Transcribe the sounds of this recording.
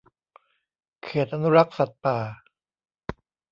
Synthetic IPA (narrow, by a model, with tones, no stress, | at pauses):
kʰeː˨˩t̪̚ʔa˧nu˦˥ɾa˦˥k̚sa˨˩t̪̚paː˨˩